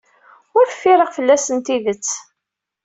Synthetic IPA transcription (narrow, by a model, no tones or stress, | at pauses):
ʊɾfːiɾəʁfəlːæsənt̪iðət͡sː